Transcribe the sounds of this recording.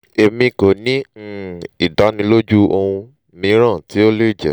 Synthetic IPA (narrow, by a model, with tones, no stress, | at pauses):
e˧mĩ˧ko˨nĩ˦˨ | i˨da˨˦nĩ˧lo˦d͡ʒu˦o˧hũ˧ | mĩ˧˦ɾ̃ã˦˨ti˨˦o˦le˦i˦˨d͡ʒɛ̰˨